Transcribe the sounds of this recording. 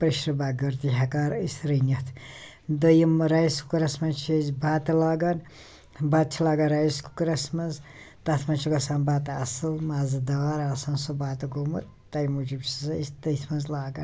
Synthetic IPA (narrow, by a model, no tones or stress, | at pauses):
pɾiʃɾɐbaːɡɐɾt̪iɦɐkaːɾisɾinʲɐt̪ʰ | d̪ɐjimɾajisku̥kɨɾɐsmɐnt͡ʃʰɐzbaːt̪ɐlaːɡɐn | baːd̪̚t͡ʃʰilaːɡanɾajisku̥kɾɐsmɐnz | t̪ɐt̪ʰmɐnt͡ʃʰikɐsaːnbaːt̪ɐɐ̰sɨlmaːzɨd̪ɐwaːɾaːsɐnsobaːt̪ɐɡomɐt̪ːɐjmud͡ʒibt͡ʃizɐisd̪ɐjsmɐnzlaːɡɐ̰n